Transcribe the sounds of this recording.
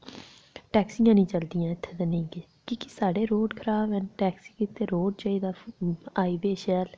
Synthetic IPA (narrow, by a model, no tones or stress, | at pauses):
ʈɛːksijãːnĩːt͡ʃəld̪ijãːɪt̪ʰːeːt̪aːnĩːɡeː | kiːkɪsaːɖeːɾoːɖkʰəɾaːbɛ̃ːnʈɛːksiːkiːt̪eːɾoːɖ̚t͡ʃaːiːd̪aːaːiːbeːʃɛːl